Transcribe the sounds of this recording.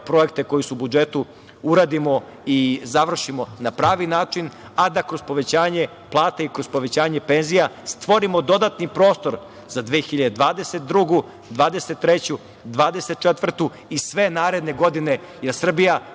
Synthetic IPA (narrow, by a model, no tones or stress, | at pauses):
pɾo̞ek̚t̪e̞ko̞jisuubud͡ʒe̞t̪u | uɾaːd̪imo̞ | izaʋr̩ʃimo̞napɾaːʋinaːt͡ʃin | ad̪akɾo̞zpo̞ʋe̞t͡ɕaːɲe̞ | plˠaːt̪aikɾozpo̞ʋe̞t͡ɕaːɲe̞penzijast̪ʋo̞ɾimo̞d̪o̞d̪at̪nipɾo̞ːst̪o̞ɾ | z̥ad̪ʋeːxiʎad̪ed̪ʋaːd̪e̞set̪̚d̪ɾuɡu | d̪ʋaːd̪e̞set̪ːɾe̞t͡ɕu | d̪ʋaːd̪eset̪̚t͡ʃet̪ʋr̩t̪u | isʋe̞naːɾe̞d̪ne̞ɡo̞d̪ine̞ | jeɾsr̩bija